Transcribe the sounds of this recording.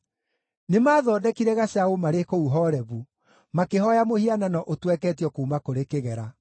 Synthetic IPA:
nemaːðɔːdɛkiɾɛɣaɕaomaɾekouɦɔːɾɛβu | makeɦɔjamohiananɔʔotwɛkɛtjɔkuːmakoɾekeɣɛɾa

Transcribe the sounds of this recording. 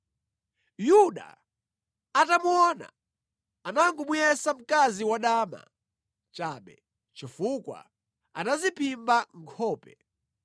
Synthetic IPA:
juɗa̰ | atamuɔna̰ | anaŋɡumujɛsam̩kaziwaɗaːma̰ | t͡ʃaːɓɛ̰ | t͡ʃifukwa̰ | anazipimbaŋkʰɔːpɛ

